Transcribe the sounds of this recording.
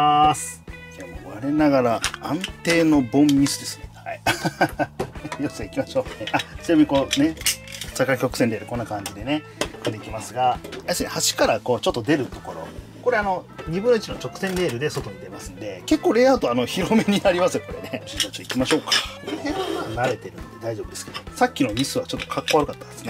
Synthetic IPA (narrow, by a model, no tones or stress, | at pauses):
sɨ̥ | amoβaɾe̞naɡaɾaãnt̪e̞ːno̞bõ̞mmʲisɨd̪e̞sɨ̥ne̞hai | joseikʲimaɕo̞ːneʔat͡sɨjoːmʲikone̞sakːakʲo̞kɯ̟̥senɾe̞ːɾɯ̟kõ̞nːakãɲ̟d͡ʑid̪e̞ne̞ | kɯ̟̃nd̪e̞ikʲimasɨɡaajaseɨnehaɕi̥kaɾako̞ːt͡ɕo̞t̪ːod̪e̞ɾɯ̟t̪o̞̥ko̞ɾo̞̰ | ko̞ɾe̞ano̞ɲibɯ̟nːoit͡ɕinõt͡ɕo̞kɯ̟̥sẽ̞nɾe̞ːɾɯ̟d̪eso̞t̪o̞ɲ̟id̪e̞masɨ̃nd̪e̞ke̞kːo̞ːɾe̞ːat̪oano̞çiɾo̞me̞ɲ̟inaɾʲimasɨjoko̞ɾene̞ɕĩnːat͡ɕot̪ːikʲimaɕo̞ːkḁkeheamanaɾe̞t̪e̞ɾɯ̟̃nd̪e̞d̪aiʑo̞bɯd̪e̞sɨ̥ked̪osakʲːino̞mʲisɨβat͡ɕo̞t̪ːo̥kʰakːo̞aɾɯ̟kat̪ːad̪e̞sɨ̥ne